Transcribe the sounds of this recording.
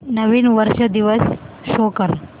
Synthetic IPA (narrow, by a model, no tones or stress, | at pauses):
nɐʋiːnʋəɾʃɐd̪iʋəs | ʃoːkəɾ